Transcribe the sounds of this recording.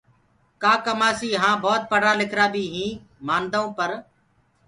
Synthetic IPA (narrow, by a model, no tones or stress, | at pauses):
kaːkəmaːsiːɦãːbɔːt̪̚pəɽ̤aːlɪkʰɾaːbʱiːɦĩː | maːnd̪oõːpəɾ